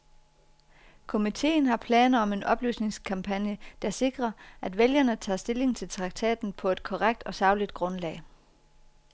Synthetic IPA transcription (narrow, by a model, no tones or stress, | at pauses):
kʰo̝mit͡sʰe̝̰ːn̩ɦɑ̈pʰlɛ̰ːnɐɒ̽me̝nʔɒ̽b̥lyːsne̝ŋskʰɑ̈mpʰænjəd̥ɑ̈se̝ɡ̥ʁɐʔæd̥ʋeljɐnət͡sʰɑ̰ːsd̥e̝le̝ŋt͡sʰe̝lt͡sʰʁɑ̈ɡ̥̚t͡sʰɛ̰ːd̥n̩pʰɒ̽e̝d̥kʰɒʁaɡ̥̚d̥ɒ̽sɑ̈ʊlid̥ɡ̥ʁɔ̽nlɛ̰ːɪ